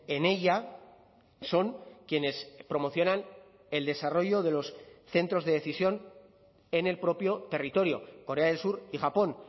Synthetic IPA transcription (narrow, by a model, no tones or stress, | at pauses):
e̞ne̞ʎa | so̞ŋkje̞ne̞spɾo̞mo̞θjo̞nan | e̞ld̪e̞saro̞ʝo̞ð̞e̞lo̞sθe̞nt̪ɾo̞zðe̞ðe̞θisjo̞n | e̞ne̞lpɾo̞pjo̞t̪e̞rit̪o̞ɾjo̞̰ko̞ɾe̞aðelsuɾixapo̞n